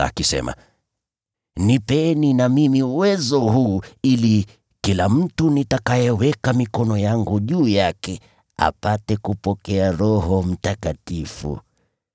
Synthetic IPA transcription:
a̰kisɛ̰ma̰ | nipɛninamimiuwɛzɔhuːili | kilam̩tunitakajɛwɛkamikɔnɔjaŋɡuʄuːjakɛ | a̰patɛkupɔkɛaɾɔhɔm̩takatifṵ

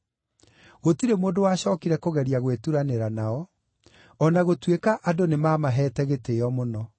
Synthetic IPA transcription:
ɣotiɾemoːdowaːɕɔːkiɾɛkoɣɛɾiaɣwetuɾaneɾanaɔ | ɔnaɣotwekaʔadonemaːmaɦɛːtɛɣeteɔmonɔ

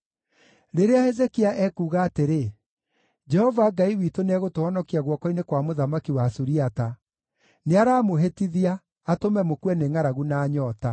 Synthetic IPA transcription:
ɾeɾeahɛzekiaʔɛkuːɣaːteɾe | d͡ʒɛhɔvaɡaiwitonɛɣotoɔnɔkiaɣwɔkɔinekwamoðamakiwasuɾiata | neaɾaːmoɦetiðiaː | tomɛmokwɛneŋaɾaɣunaɲɔːta

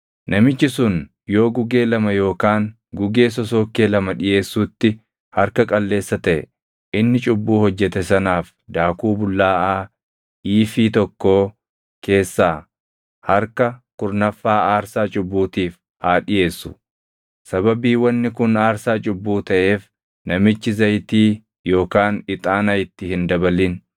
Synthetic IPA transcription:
nʔɐmɪt͡ʃːɪsʊn | jo̞ːɡʊɡe̞ːlɐmɐjo̞ːkaːŋ | ɡʊɡe̞ːs̬ɔs̬o̞ːkːe̞ːlɐmɐᶑɪje̞ːsːuːt̪ːɪ | hɐɾkɐkʼɐlːe̞ːsːɐt̪ɐʔɛ | ʔɪnːɪt͡ʃʼʊbːuːhɔd͡ʒːɛt̪ɛsɐnaːf | d̪aːkuːbʊlːaːʔaː | ʔiːfiːt̪ɔkːo̞ː | ke̞ːsːaː | hɐɾkɐkʊɾnɐfːaːaːɾsaːt͡ʃʼʊbːuːt̪iːf | haːᶑɪje̞ːsːʊ̥ | sɐbɐbiːwɐnːɪkʊnaːɾsaːt͡ʃʼʊbːuːt̪ɐʔe̞ːf | nɐmɪt͡ʃːɪzɐjt̪iː | jo̞ːkaːnɪt̪ʼaːnɐjɪt̪ːɪhɪnd̪ɐbɐlin

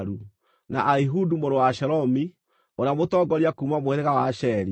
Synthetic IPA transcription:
ɾu | na̰ʔaiɦudumoɾowaʃɛɾɔmi | oɾamotɔɡɔɾiakuːmamoeɾeɣawaʃɛɾi

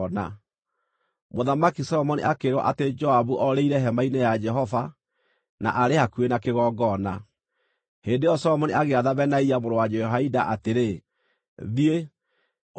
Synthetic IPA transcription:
na | moðamakisɔɔmɔnḭʔakeɾwɔ̰ʔated͡ʒɔaβuʔɔɾeiɾɛɦɛmainejad͡ʒɛɦɔfa | na̰ʔaɾehakuenakeɣɔːɡɔna | heːndejɔsɔɔmɔniʔaɣeaðaβɛnaiamoɾowad͡ʒɛɦaidaʔateɾe | ðie

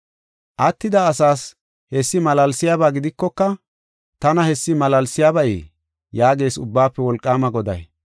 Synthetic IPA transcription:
ʔɐt̪ːɪd̪ɐːsaːs | hɛsːɪmɐlɐlsɪjaːbaːɡɪd̪ɪkːɔkːɐ | t̪ɐnɐhɛsːɪmɐlɐlsɪjaːbɐjḛː | jaːɡe̞ːsʊbːaːpːɛwɔlkʼːaːmɐɡɔd̪ɐ̰j

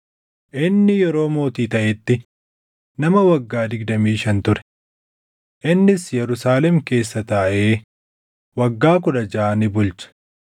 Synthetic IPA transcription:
ʔɪnːɪjɛɾo̞ːmo̞ːt̪iːt̪ɐʔɛt̪ːɪ | nɐmɐwɐɡːaːd̪ɪɡd̪ɐmiːʃɐnt̪ʊɾɛ̥ | ʔɪnːɪsjɛɾʊsaːlɛmke̞ːsːɐt̪ɐːʔeː | wɐɡːaːk̬ʊᶑɐd͡ʒaːnɪbʊlt͡ʃɐ̥

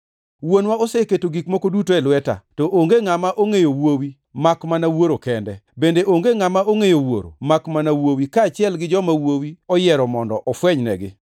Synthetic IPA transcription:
wonwaosɛketoɡikmokodutoelwɛta̰tɔʔoŋɡeŋamaʔoŋejowowi | makmanawoɾokɛndɛbendeʔoŋɡeŋamaʔoŋejowo̰ɾo̰makmanawowikaːt͡ʃɪɛlɡɪd͡ʒɔmawowiɔjɛɾɔmɔndɔʔɔfwɛɲnɛ̰ɡɪ̰

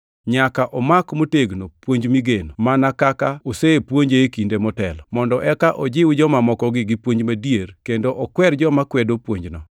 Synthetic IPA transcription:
ɲakaʔɔmakmoteɡnopwoɲd͡ʒmiɡenomanakakaoseepwoɲd͡ʒeekindemɔtɛlɔmɔndɔʔɛkaʔɔd͡ʒɪwd͡ʒɔmamɔkɔɡɪɡɪpwoɲd͡ʒmadijerkendoʔɔkwɛɾd͡ʒɔmakwɛdopwoɲd͡ʒnɔ

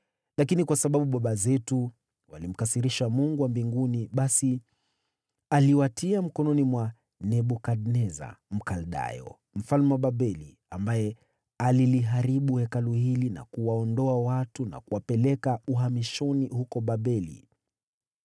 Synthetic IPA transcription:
lakinikwasaɓaɓuɓaɓazɛtu | walim̩kasiɾiʃamuŋɡuwambiŋɡuniɓasi | aliwatʰiam̩kɔnɔnimwa | nɛɓɔkadnɛza̰m̩kalɗa̰jɔ̰ | m̩falmɛwaɓaɓɛli | ambajɛ | aliliɦaɾiɓuhɛkaluhilina̰kuwaɔndɔawatuna̰kuwapɛlɛkauɦamiʃɔnihukɔɓaɓɛlḭ

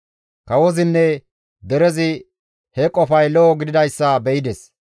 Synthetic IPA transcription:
kɐwɔzɪnːɛ | d̪ɛɾɛzɪ | hɛkʼɔfɐjlɔːɡɪd̪ɪd̪ɐjsːɐbɛɪd̪ɛs

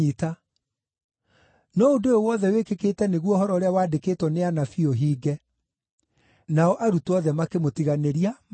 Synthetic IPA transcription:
ita | nɔondoeowɔðɛwekekeːtɛneɣwɔhɔɾɔoɾeawadekeːtwɔneanafioɦiːɡɛ | naɔʔaɾutɔðɛmakemotiɣaneɾia

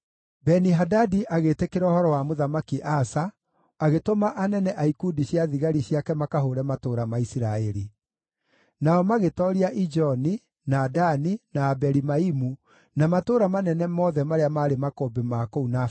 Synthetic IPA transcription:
bɛniɦadadiʔaɣetekeɾɛɔhɔɾɔwamoðamakiʔasaː | ɣetomaʔanɛnɛʔaikudiɕjaðiɣaɾiɕjakɛmakaɦoɾɛmatoːɾamaisiɾaɛɾi | naɔmaɣetɔɾiaʔid͡ʒɔni | naːdaninaːbɛɾimaimu | namatoːɾamanɛnɛmɔðɛmaɾeamaːɾemakobemakouna

